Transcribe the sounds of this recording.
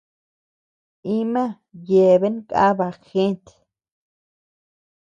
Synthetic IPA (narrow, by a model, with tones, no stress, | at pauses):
i˦mã˦ | je˨βe˦nkʼa̰˦βa˧˨xe˦nt̪e̥